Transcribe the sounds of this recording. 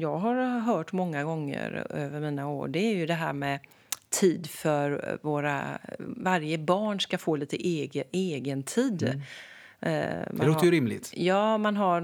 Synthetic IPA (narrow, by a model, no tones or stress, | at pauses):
jɑːɡɦaɾɦœːʈmɔŋːaɡɔŋːə̰ɾøːvəɾmiːnaṵːɖɛæɾjɵd̪ɛɦæ̰ːɾmɛ | t̪ʰiːd̪fœɾvoːɾa̰vaɾjəbɑːɳʂkafoːliːt̪əʔeːɡəeːɡənt̪ʰiːd̪ | mʔaloːt̪əjɾɪmlɪ̰t̪jɑːmanɦaɾ